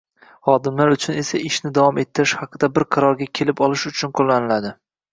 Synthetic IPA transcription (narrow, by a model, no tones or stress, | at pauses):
χɒd̪ɪmlaɾʊt͡ʃʰʊne̞saɪʃnɪd̪avɒme̞t̪ʰːɪɾɪʃhɑqʰɨd̪abɪɾqʰɑɾɒɾɡʲakʲʰe̞lɪpɒlˠɪʃʊt͡ʃʰʊnqʰolːanɪlad̪ɪ